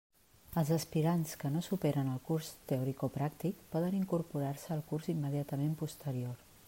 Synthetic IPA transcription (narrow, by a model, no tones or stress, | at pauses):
əlˠzəspiɾanskənosupɛɾənəlˠkurst̪eɔɾikopɾak̚t̪ikpɔðəniŋkuɾpuɾarsəːlˠkurzimːəðiat̪əmempust̪əɾior